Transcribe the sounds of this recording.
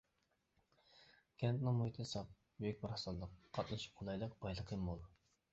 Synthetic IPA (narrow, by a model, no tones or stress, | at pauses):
kʲʰɛnt̪nɪŋmuhit̪ʰɨsɑp̚ | byjykʲbɪɾhɑsɑllˠəqːʰɑt̪nɨʃu̥p̚qʰolˠɑjlˠəqb̥ɑjlˠəqʰəmːolˠ